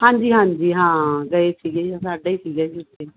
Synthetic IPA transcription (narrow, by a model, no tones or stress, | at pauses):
hãːɲd͡ʒiːɦãːɲd͡ʒiːɦãːɡəesiːɡeːãːsaːɖaiːsiːɡɛːd͡ʒiʊt̪ʰːeː